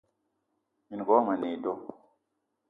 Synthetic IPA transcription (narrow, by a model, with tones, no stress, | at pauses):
i˨n˨ɡɔ˨˦ma˨ne˨do˦